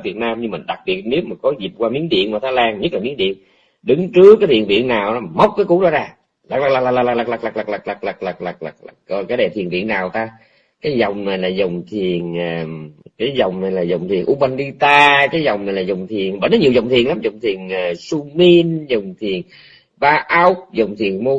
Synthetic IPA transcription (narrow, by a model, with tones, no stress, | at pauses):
vi˨˩ət̚naː˧mɲɨ˧mï˨˩ŋ̟ɗa˨˩k̚ɓi˨˩ət̚ne˨˦wmaː˨˩kɔ˨˦zi˨˩p̚kwaː˧mi˨˦ənɗḭ˧˨ənmaː˨˩t̪ʰaː˨˦jlaː˧nɲə˦˥t̚laː˨˩mi˨˦ənɗḭ˧˨ən | ɗɨ˨˦ŋt͡ɕɨ˦˥əkːaː˨˦t̪ʰḭ˧˨ənvḭ˧˨ənːaː˨˩wa˨˦mə˦˥wk͡p̚kaː˨˦jku˧˦ɗɔ˨˦˥zaː˧ | laː˨˩k̚la˨˩kla˨˩la˨˩la˨˩la˨˩la˨˩k̚la˨˩k̚la˨˩k̚la˨˩kla˨˩k̚la˨˩k̚la˨˩k̚la˨˩k̚la˨˩k̚la˨˩k̚la˨˩kɔ˧˩kaː˨˦jɗe˨˩t̪i˨˩ənvḭ˧˨ənːaː˨˩wt̪aː˧ | kaː˨˦jzɔ˨˩wŋ͡mna˨˩jlaː˨˩zə˨˩wŋ͡mt̪ʰi˨˩ənəː˨˩kaː˨˦jzɔ˨˩wŋ͡mna˨˩jlaː˨˩zə˨˩wŋ͡mt̪ʰi˨˩ənʔu˧ɓa˧nɗi˧t̪aː˧kaː˨˦jzɔ˨˩wŋ͡mna˨˩jlaː˨˩zə˨˩wŋ͡mt̪ʰi˨˩ənɓə̰˧˨˩na˨˦ɲi˨˩ə˩zə˨˩wŋ͡mt̪i˨˩ənla˨˦mzə˨˩wŋ͡mt̪ʰi˨˩ənʔːsu˧mi˧nzə˨˩wŋ͡mt̪ʰi˨˩ən | ɓaː˧ʔa˦˥wk̚zə˨˩wŋ͡mt̪ʰi˨˩ənmo˧